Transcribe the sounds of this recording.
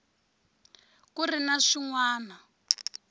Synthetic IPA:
kurinaʂiŋwaːna

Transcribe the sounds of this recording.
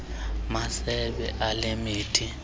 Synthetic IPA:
masɛbɛʔalɪmiːtʰi

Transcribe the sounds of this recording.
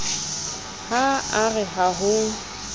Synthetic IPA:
haaɣɛɦaɦʊ

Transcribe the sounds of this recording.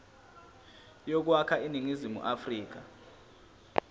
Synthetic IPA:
jɔk̬wakʰainiŋizimṵʔafriːk̬a

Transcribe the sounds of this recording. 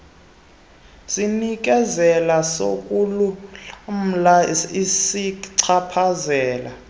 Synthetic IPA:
sinik̬ʼɛzɛlaso̰kʼulum̩laisiǀʰapʰazɛːla

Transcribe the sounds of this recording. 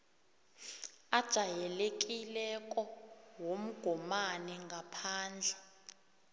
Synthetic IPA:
ad̥ʒ̥ʱajɛlek̬ʼilɛkʼɔwom̩ɡ̥ʱɔmanɛŋɡʱapʰaːnd͡ɮʱɛ

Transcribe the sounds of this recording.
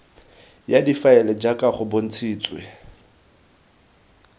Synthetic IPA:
jadifaɛlɛd͡ʒakʼaχʊbon̩t͡sʰiːt͡sʼwḛ

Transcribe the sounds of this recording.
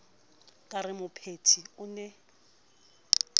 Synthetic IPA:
kʼarɪmʊpʰetʰiʊnɛ

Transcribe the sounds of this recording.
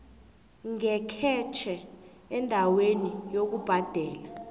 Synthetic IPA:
ŋɛkʰɛt͡ʃʰɛ | ɛndʱawenijok̬ub̥ʱad̥ʱɛːla

